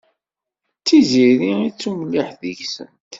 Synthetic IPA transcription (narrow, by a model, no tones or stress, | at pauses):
t͡sːiziɾiit͡sːuməlːiħðəʝsə̰nt̪